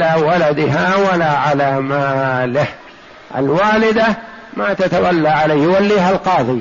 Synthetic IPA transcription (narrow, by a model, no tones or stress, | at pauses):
aːwalad̪ɪɦawalaːʕalaːmaːlɪh | ʔa̰lwaːlɪd̪a | maːt̪at̪awalːaʕalajjʊwalːiːɦalqɑːðˤiː